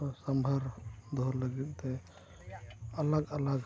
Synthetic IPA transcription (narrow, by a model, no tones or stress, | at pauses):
səmbʱəɾd̪ʱoɾləɡɛt̪e | ələɡələɡ